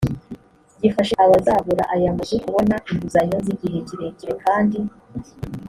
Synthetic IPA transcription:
ɟifaʃeʔaβazaβuɾa̰ʔaɾiamazekuβo̞naʔinbuzaɲoziɟiɦe̞ɟiɾe̞ɲiɾekaːndi

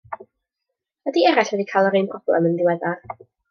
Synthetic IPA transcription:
wɛdiɛɾɛɬwɛdikʰajlˠəɾɨnpʰrɔb̥lˠɛ̰məndɪwɛða

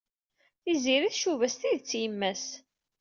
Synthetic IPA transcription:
θiziɾiθʃuvæst̪iðt͡sːjəmːæs

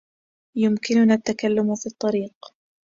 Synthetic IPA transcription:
jʊmkɪnʊnat̪ːakalːʊmfiːt̪ˤːɑɾiːq

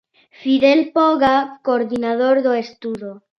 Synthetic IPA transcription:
fiðelpoɣakoːɾd̪inaðoɾd̪oest̪uðo

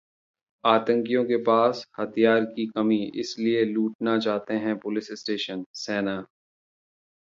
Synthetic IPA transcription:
aːt̪ə̃ŋkijõkepaːshɐt̪ʰijaːɾkikɐmiɪ̰slieluːʈnat͡ʃaːɦt̪eɦɛ̃pʊlɪsɪsʈeːʃənsɛːna

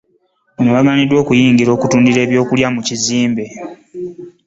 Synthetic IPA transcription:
onowaɡaːnidwo̞ːkujiːŋɡiɾo̞ːkutuːndiɾe̞ːβjo̞ːkuljamuciziːmbe̞

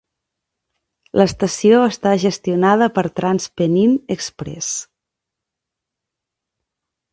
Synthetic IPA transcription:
ləst̪əsioəst̪aʒəst̪iunað̞əpəɾt̪ɾanspəninəkspɾɛ̰s

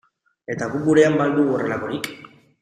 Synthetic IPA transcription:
e̞t̪aɣubuɾe̞ambald̪uorelako̞ɾik

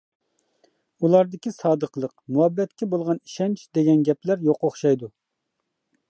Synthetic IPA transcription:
ulˠɑɾd̪ɪkʲisɑːd̪əqlˠəqmuɛbːɛt̪kʲɛbolˠʁɑni̥ʃɛnt͡ʃd̪eɡʲɛnɡʲɛplæɾjoqoχʃɑjd̪u

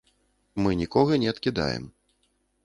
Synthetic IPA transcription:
mɨnʲikɔɣɐnʲɛɐt̪kʲid̪a̰jɛ̰m

